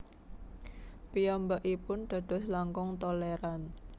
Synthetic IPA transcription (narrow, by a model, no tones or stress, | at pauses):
piɔmbaʔipʊnɖ̪̥a̤d̪̥ɔ̤slaŋkʊŋt̪ɔleɾan